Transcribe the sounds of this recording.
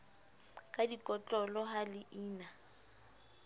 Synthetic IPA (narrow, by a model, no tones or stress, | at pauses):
kʼadikʼɔt͡ɬʼɔlɔɦalɪʔiːna